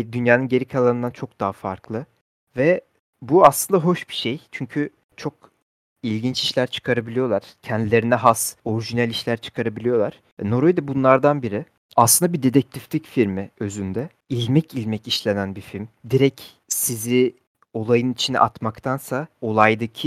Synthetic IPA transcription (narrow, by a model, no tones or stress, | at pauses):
d̪ynjaːnɯnɟe̞ɾicʰalˠaɾɯnd̪ant͡ʃʰo̞k̚d̪aɦafaɾklˠɯ | vɛ | buaslˠɯnd̪aɦo̞ʃbi̥ʃejt͡ʃʰyɲcʰy | t͡ʃʰo̞k | ilʲɟint͡ʃiʃlʲæɾt͡ʃʰɯ̥kʰaɾabilʲijo̞lˠaɾ̥cʰɛnd̪ilʲe̞ɾinɛɦaso̞ɾiʒinælʲiʃlʲæɾt͡ʃʰɯ̥kʰaɾabilʲijo̞lˠaɾ̥ | ɛno̞ɾojd̪abunlˠaɾd̪anbiɾɪ | aslɯnd̪abid̪e̞d̪ɛc̚t̪ʰiflʲicfiɾmiø̞zynd̪ɛ | ilʲmɛcilʲmɛciʃlʲenænbifilʲmd̪iɾɛc | sizi | o̞lˠajɯnit͡ʃʰinḭʔat̪makt̪ʰansao̞lˠajd̪acʰi